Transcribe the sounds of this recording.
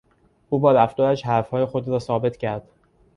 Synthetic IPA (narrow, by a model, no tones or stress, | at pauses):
ʔuːbɒːɾæfd̪ɒːɾæʃhæɾfhɒːje̞xod̪ɾɒːsɒːbe̞t̪ʰcʰæɾd̪̥